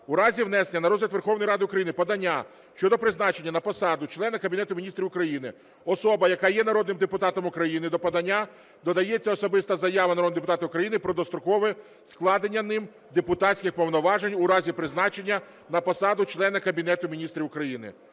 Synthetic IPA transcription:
ʊɾɑzʲiʋnɛsenʲːɐnɐɾɔzlʲɐt̪ʋerxɔwnɔjɾɑd̪ɪʊkɾɐjinɪpɐd̪ɐnʲːa | ʃt͡ʃɔd̪ɔpɾɪznɑt͡ʃe̞nʲːɐnɐpɔsɑd̪ʊt͡ʃlˠɛnɐkɐbʲinɛt̪ʊmʲinʲist̪ɾʲiʊkɾɐjinɪ | ɔsɔbɐjɐkɑjɛnɐɾɔd̪nɪmd̪epʊt̪ɑt̪ɔmʊkɾɐjinɪd̪ɔpɐd̪ɐnʲːa | d̪ɔd̪ɐjɛt͡sʲːɐɔsɔbɪst̪ɐzɐjaʋɐnɐɾɔd̪ɪd̪epʊt̪ɑt̪ɪʊkɾɐjinɪpɾɔd̪ɔst̪ɾɔkɔʋɛ | sklˠɑd̪enʲːɐnɪm | d̪epʊt̪ɑt͡sʲsʲkʲɪxpɔwnɔʋɑʒenʲʊɾɑzʲipɾɪznɑt͡ʃe̞nʲːɐ | nɐpɔsɑd̪ʊt͡ʃlˠɛnɐkɐbʲinɛt̪ʊmʲinʲist̪ɾʲiwʊkɾɐjinɪ̰

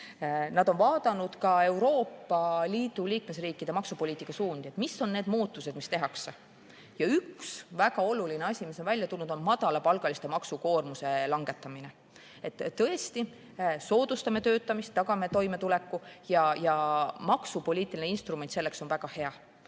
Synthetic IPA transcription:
nɑd̪̥o̞nvɑːd̪̥ɑnud̪̥kɑe̞wɾo̞ːpːɑliːd̪̥uliːkme̞sriːkːˑid̪̥e̞mɑksupoliːt̪ːˑikːˑɑsuːnd̪̥ie̞t̪ˑmisːo̞nne̞ːd̪muːt̪ːˑuse̞d̪̥mist̪e̞ɦɑkse | jɑyksvæɡ̥ɑo̞lulineɑsʲimiso̞nvælʲjɑt̪ulːud̪̥o̞nmɑd̪̥ɑlɑpɑlɡ̥ɑlist̪e̞mɑksuko̞ːrmuse̞lɑŋɡ̥e̞t̪ːˑɑmine̞ | et̪ˑːɤ̞e̞st̪i | so̞ːd̪̥ust̪ɑme̞t̪øːt̪ːˑɑmist̪ːɑɡ̥ɑme̞t̪o̞jme̞t̪ule̞kːujɑjɑmɑksupo̞liːt̪ːˑilineinst̪rume̞nt̪se̞lːe̞kso̞nvæɡ̥ɑhe̞ɑ

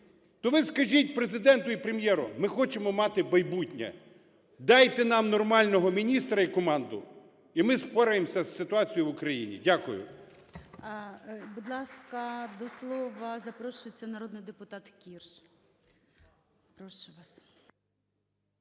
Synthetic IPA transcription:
t̪ɔʋɪskɐʒʲit̚ʲpɾezɪd̪ɛnt̪ʊipɾemjɛɾʊ̰mɪxɔt͡ʃemɔmɑt̪ɪbɐjbutʲnʲɐ̰ | d̪ɑjt̪ɛnɑmnɔrmɑlʲnɔɦɔmʲinʲist̪ɾɐikɔmɑnd̪ʊ̰ | imɪspɔɾɐjemsʲɐsːɪt̪ʊɑt͡sʲijʊʋʊkɾɐjḭnʲḭdʲakʊjʊ̰ | bud̪lˠɑskɐd̪ɔslˠɔʋɐzɐpɾɔʃʊjet͡sʲːɐnɐɾɔd̪nɪjd̪epʊt̪ɑt̪kʲirʃ | pɾɔʃʊʋɑs

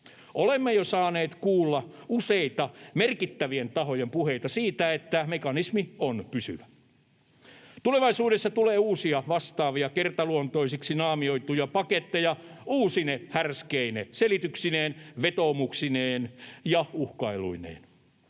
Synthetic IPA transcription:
ʔolemːejosɑːneːt̪kuːlːɑuseit̪ɑmerkit̪ːæʋient̪ɑɦo̞jempuheit̪ɑsiːt̪æet̪ːæmekɑnismionpysy̰ʋæ | t̪uleʋɑisuːɾesːɑt̪uleːuːsiɑʋɑst̪ɑːʋiɑkert̪ɑluont̪o̞isiksinɑːmio̞it̪ujɑpɑket̪ːejɑuːsinehærskeineselit̪yksineːnʋet̪oːmuksineːnjɑuhkɑilṵinḛːn

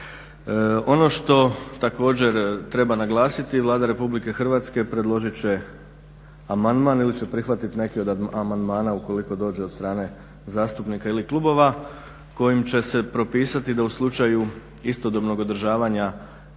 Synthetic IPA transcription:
o̞no̞ʃt̪o̞t̪ako̞ːd͡ʑe̞ɾt̪ɾe̞banaɡlˠaːsit̪iʋlˠaːd̪aɾe̞publike̞xrʋat̪ske̞pɾe̞d̪lˠo̞ʒit͡ɕe̞ | amand̪manilit͡ɕe̞pɾixʋat̪it̪ine̞kio̞d̪amand̪maːnauko̞liko̞d̪o̞ːd͡ʑe̞od̪st̪ɾaːne̞ | zaːst̪upnikailiklˠubo̞ʋa | ko̞jimt͡ɕe̞se̞pɾo̞piːsat̪id̪auslˠut͡ʃaju | ist̪o̞d̪o̞bno̞ɡo̞d̪ɾrʒaːʋaɲa

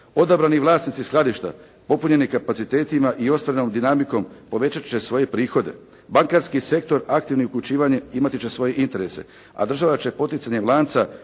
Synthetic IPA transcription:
o̞d̪abɾaniʋlˠaːsnit̪sisklˠad̪iʃt̪a̰ | po̞puɲe̞nikapat̪sit̪e̞ːt̪imaʔio̞st̪ʋaɾeno̞md̪inamiko̞mpo̞ʋe̞t͡ɕat͡ɕe̞sʋo̞je̞pɾiːxo̞d̪e̞̰ | baŋkaɾskise̞k̚t̪o̞ɾak̚t̪iʋniukʎʲut͡ʃiːʋaɲeimat̪it͡ɕe̞sʋo̞je̞ʔint̪e̞ɾe̞se̞̰ | a̰d̪r̩ʒaʋat͡ɕe̞po̞t̪itsaɲe̞ʋlˠaːnt̪sa

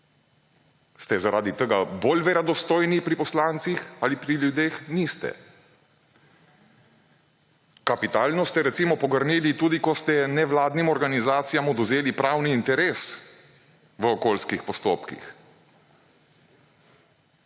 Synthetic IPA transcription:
st̪ɛzaɾaːd̪it̪əɡabolʋɛɾad̪ɔst̪oːjnipɾipɔslaːnt̪sixalipɾiljud̪eːxnist̪ɛ̰ | kapit̪aːlnɔst̪ɛɾɛt̪siːmɔpɔɡəɾnilit̪uːd̪ikɔst̪ɛnɛʋlaːd̪nimɔɾɡanizaːt̪sijamɔd̪ɔzeːlipɾaːwniːnt̪ɛɾes | ʋəɔkoːlskixpɔst̪o̰ːpkḭx

